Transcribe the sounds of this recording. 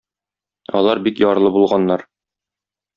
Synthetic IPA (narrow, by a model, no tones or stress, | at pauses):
ɒ̰lˠɑɾbikjɒɾlˠɤbulˠʁɑnːɑɾ